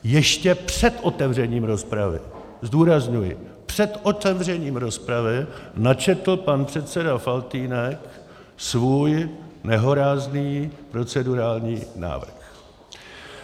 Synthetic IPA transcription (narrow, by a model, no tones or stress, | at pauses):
jɛʃcɛpr̥ɛt̪ʔo̞t̪ɛvr̝ɛɲiːmɾo̞spɾavɪ̰ | zduːɾazɲujɪ̰ | pr̥ɛt̪ʔot̪ɛvr̝ɛɲiːmɾo̞spɾavɪnat͡ʃɛt̪l̩panpr̥ɛt̪sɛdafalt̪iːnɛk | svuːjnɛɦo̞ɾaːzniːpɾo̞t͡sɛduɾaːlɲiːna̰ːvr̩x